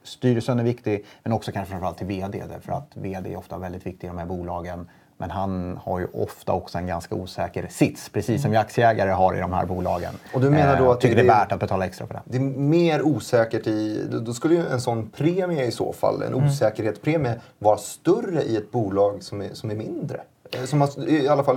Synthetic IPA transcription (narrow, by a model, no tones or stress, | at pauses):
st̪yːɾəsənæɾvɪkt̪ɪmɛnɔksɔkʰanəfɾanfɾalt̪ʰːɪlveːd̪ḛːd̪ɛ̰fœɾa̰t̪veːd̪eːɛ̰ɾɔft̪avɛld̪ɪt̪vɪk̚t̪ɪɡɪd̪ɔmhæːɾbuːlɑːɡən | mʔɛnɦanhaɾjɵ̰ʔɔ̰ft̪a̰ɔksɔɛnɡanskauːsɛːkəɾsɪt̪spʰɾɛsiːsːɔmjɪak̚tsɪəɛːɡaɾəɦaɾɪ̰d̪ɔmhæ̰ːɾbuːlɑ̰ːɡə̰nɔd̪ɵmmeːnaɖɔat̪ʰʏːəɖɛvæːʈat̪̚bɛt̪ʰɑːlaɛkst̪ɾapʰɔd̪ɛ̰d̪ɛːmeːɾuːsɛːkəʈɪd̪d̪ɔskɵlːəjɵɛnsɔnːpʰɾeːmɪaɪso̰ːfa̰lːɛ̰nʔuːsɛːkəɾheːt̪spʰɾeːmɪa | vɑːɾast̪œrəʔɪɛt̪̚buːlɑːɡsɔmɛsɔmæɾmɪnd̪ɾə̰ | sɔmaalːafal